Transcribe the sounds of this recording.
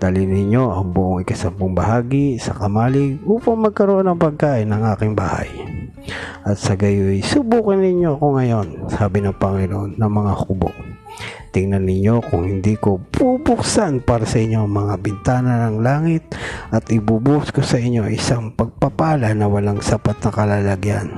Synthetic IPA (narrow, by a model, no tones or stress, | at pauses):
d̪̥alɪnɪɲo̞ʔɐŋbʊʔoŋɪkɐsamboŋbɐhaːɡisɐkɐmaːlɪɡ̚ʔuːpɐŋmɐɡ̚kɐɾoʔonɐŋpɐɡ̚kaːʔɪnɐŋʔaːkɪŋba̰ːha̰j | ʔɐt̪sɐɡɐjʊjsʊbuːkɪnɪɲːo̞ɐko̞ŋɐjo̞nsaːbɪnɐŋpɐŋɪnoʔonːɐŋmɐŋahubo̰ŋ | t̪ɪŋnɐnːɪɲo̞kʊŋhɪnd̪iko̞bubʊksanpaːɾɐsɐʔɪɲːomɐŋabɪnt̪aːnɐnɐŋlaːŋɪt̪̚ʔɐt̪ʔɪbubuʔskosɐʔɪɲːo̞ʔɪsaŋpɐɡ̚pɐpaːlɐnɐwɐlaŋsɐpat̪̚nɐkɐlaːlɐɡjan